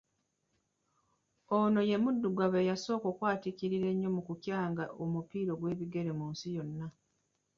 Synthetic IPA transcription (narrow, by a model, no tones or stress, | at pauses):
ono̞je̞mudːuɡwaβejaso̞ːko̞ːkwaːtikiɾiɾe̞ɲːo̞mukucjaːŋɡaʔomupiːɾo̞ɡwe̞ːβiɡe̞ɾe̞muːnsijo̞nːa